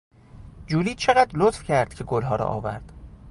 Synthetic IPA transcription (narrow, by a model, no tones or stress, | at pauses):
d͡ʒuːliːt͡ʃʰe̞ɣæd̪lot̪fcʰæɾd̪̥cʰe̞ɡolɦɒːɾɒ̰ʔɒ̰ːvæ̰ɾd̪̥